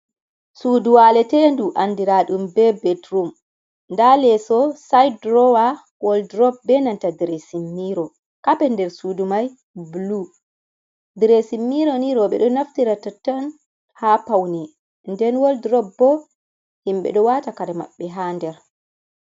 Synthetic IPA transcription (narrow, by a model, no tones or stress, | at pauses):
suduwalɛtɛnduʔanːdiɾaɗumbɛbɛtɾum | ndalɛsɔsajdɾɔwa | wɔldɾɔb̚bɛnantadɾesimːiɾɔ | kapɛndɛɾsudumaj | blu | dɾesimːiɾɔniɾɔɓɛ̰ɗɔnaftiɾatatan | hapawni | ndɛnwɔldɾɔb̚bɔ | himɓɛ̰ɗɔwatakaɾɛma̰ɓːɛɦandɛɾ